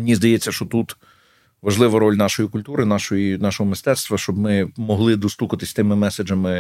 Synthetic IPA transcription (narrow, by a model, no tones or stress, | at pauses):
menʲizd̪ɐjɛt͡sʲːɐʃt͡ʃɔt̪ut̪ | ʋɐʒlˠɪʋɐɾɔlʲnɑʃɔjikʊlʲt̪uɾɪnɑʃɔjinɑʃɔɦɔmɪst̪ɛt̪st̪ʋɐʃt͡ʃɔbmɪmɔɦlˠɪd̪ɔst̪ukɐt̪ɪsʲt̪ɪmɪmɛsed͡ʒɐmɪ